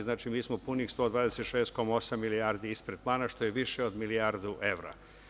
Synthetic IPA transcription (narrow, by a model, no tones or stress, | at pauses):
znaːt͡ʃimiːsmopunixst̪o̞ːd̪ʋaːd̪eset̪ʃeːst̪̚ko̞mao̞samːiliaːɾd̪iispɾed̪̚plˠaːnaʃt̪o̞jeʋiʃeod̪miliaːɾd̪uʔe̞ʋɾa̰